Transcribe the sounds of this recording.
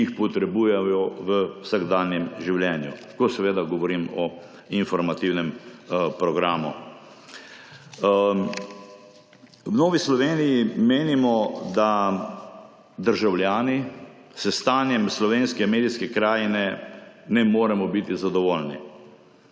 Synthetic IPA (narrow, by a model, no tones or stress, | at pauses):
ixpɔt̪ɾɛbuːjɛjɔʋəwsaɡd̪aːnjɛmʒiwljɛːnjṵ | kɔsɛʋeːd̪aɡɔʋɔɾimɔ | infɔɾmat̪iwnɛmpɾɔɡɾaːmu | wnoːʋislɔʋeːnijimeːnimɔd̪a | d̪əɾʒawljaːni | sɛst̪aːnjɛmslɔʋeːnskɛmeːd̪iskɛkɾaːjnɛnɛmoːɾɛmɔbit̪izad̪ɔʋoːlni